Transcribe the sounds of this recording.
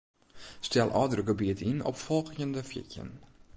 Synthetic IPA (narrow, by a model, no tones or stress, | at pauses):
stɛlˠʔɔ̰dərəɡəbiətinɔ̰pfɔlˠxjəndəfjɪ̰cjə̰n